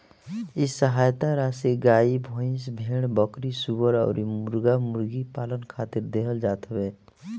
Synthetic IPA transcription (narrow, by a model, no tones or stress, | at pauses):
ɪsːəɦaːjt̪aɾaseɡaːibʱõːɪ̃sbʱeːɽ̃bəkɾisubəɾɔ̰ːɾimʊɾɡamʊɾɡipaːlənkʰaːt̪ɪɾd̪eːɦəld͡ʒaːt̪əbeː